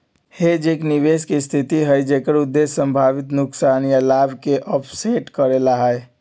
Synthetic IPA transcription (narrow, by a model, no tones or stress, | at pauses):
hed͡ʒekniʋeskest̪ʰit̪iɦəjd͡ʒekəɾud̪ːesːəmbʱaʋit̪nʊksanijəlabʱkeʔɔpʰseʈkəɾelaɦəj